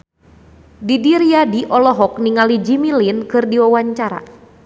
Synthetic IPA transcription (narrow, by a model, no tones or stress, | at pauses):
didiɾiadiʔɔlɔɦɔk̚niŋalid͡ʒimilinkɨrdiwawaɲt͡ʃaɾa̰